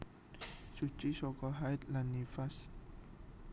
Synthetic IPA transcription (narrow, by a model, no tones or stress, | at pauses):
sut͡ʃisɔkɔɦajt̪lanːifas